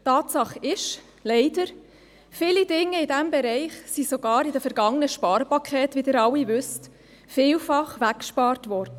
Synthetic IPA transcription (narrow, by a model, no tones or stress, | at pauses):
tɑːtsɑχɪʃ | lɛɪdəɾ | fɪlidɪŋːəɪdæmbɛɾɛɪχsisoɡ̥ɑːɾɪdəfɛɾɡɑŋənəʃpɑːɾəpɑkʰɛːtʋidɪːɾɑwivʏst | fɪːlfɑχʋækːʃpɑːɾtʋɔɾd̥ə